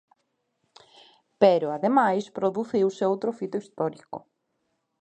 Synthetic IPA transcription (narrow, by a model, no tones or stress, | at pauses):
peɾʊaðemajspɾoðuθiwsewt̪ɾofit̪oist̪ɔɾiko̰